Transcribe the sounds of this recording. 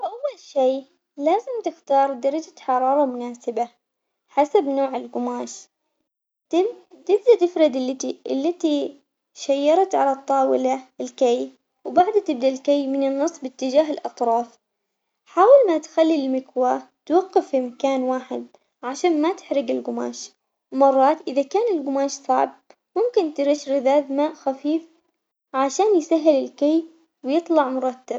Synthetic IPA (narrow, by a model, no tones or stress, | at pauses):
ʔawːalʃeː | laːzɪmt̪ɪxt̪ɑːɾˤd̪ɑɾˤɑd͡ʒaħɑɾˤɑːɾˤɑmʊnaːsɪba | ħasabnoːʕɪlɡʊmaːʃ | t̪ɪt̪ɪbd̪at̪ɪfɾɪd̪ɪlːɪt̪iʔɪ̰lːat̪i | ʃajːɑɾˤɑt̪ʕalat̪ˤːɑːwɪlaɪlkaj | wbaʕd̪at̪ɪb̚d̪alkejmɪnɪnːɨsˤːbɪt̪ːɪd͡ʒaːɦɪlʔɑt̪ˤɾˤɑːf | ħaːwɪlmat̪xalːilmɪkwat̪wɑqːɪfːimakaːnwaːħɪ̰d̪̚ | ʕaʃaːnmat̪ɪ̥ħɾɪɡɪlɡʊma̰ːʃ | mɑrˤːɑːt̪ʔɪðakaːnɪlɡʊmaːʃsˤɑ̰ʕb̚ | mʊmkɪnt̪ɪɾɪʃɾɪðaːðmaːʔxafiːf | ʕaʃaːnjsaɦːɪlɪlkaj | wjɨt̪ˤlɑʕmʊɾˤɑt̪ːab̥̚